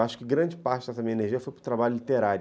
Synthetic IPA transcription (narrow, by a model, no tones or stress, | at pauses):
aʃʊ̥kɪɡɾɐ̃d͡ʒɪpaɾt͡ʃɪd̪ɛsɐmĩɲɐeneɾʒiɐfojpɾʊt̪ɾabaʎʊlit̪eɾaɾ